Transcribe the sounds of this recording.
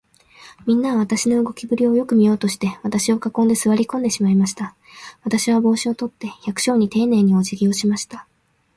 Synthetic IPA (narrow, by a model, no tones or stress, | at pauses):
mʲĩnːaβ̞at̪aɕino̞ɯɡo̞kʲibɯ̟ɾʲio̞jo̞kɯ̟mʲijo̞ːt̪o̞ɕi̥t̪e̞βat̪aɕio̞kakõ̞nd̪e̞sɨβaɾʲikõ̞nd̪e̞ɕimaimaɕi̥t̪a | βat̪aɕiβ̞abo̞ːɕio̞t̪o̞t̪ːe̞çakɯ̟̥ɕo̞ːɲ̟it̪e̞ːne̞ːɲ̟io̞ʑiɡʲio̞ɕimaɕi̥t̪a